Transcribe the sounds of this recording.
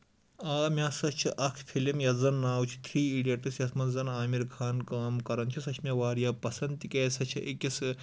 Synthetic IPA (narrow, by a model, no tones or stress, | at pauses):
aːmʲasɐt͡ʃʰiʔɐkʰpʰilimjɐzɐnːaːwt͡ʃʰi̥t̪ʰɾiːiːɖijeʈɨsjɐsmɐnzɐnaːmiɾkʰaːnkaːmkɐɾɐnt͡ʃʰisɐt͡ʃʰmʲɐʋaːɾijaːpɐsɐnt̪ikʲeːsɐt͡ʃʰiʔekʲisɨ